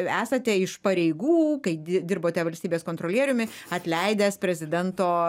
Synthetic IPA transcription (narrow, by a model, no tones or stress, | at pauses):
æːsɐt̪ʲɛɪʃpɐɾʲɛɪɡuːkɐɪɪd̪ʲɪrboːt̪ʲɛʋɐlʲsʲt̪ʲiːbʲeːskoːnt̪ɾoːlʲiɛɾʲʊmʲɪ | ɐt̪ʲlʲɛɪd̪ʲæːspʲɾʲɛzʲɪd̪ʲɛnt̪oː